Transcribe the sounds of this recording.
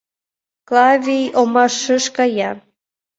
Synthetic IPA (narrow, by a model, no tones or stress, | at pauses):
klɑvʲijomɑʃəʃkɑjɑ